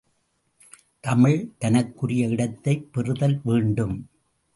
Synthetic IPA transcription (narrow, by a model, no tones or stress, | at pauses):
t̪ɐmɪɻt̪ɐnɐkːɯɾɪjɐɪɽɐt̪ːɐɪpːɪrɯðɐlʋeːɳɖɯm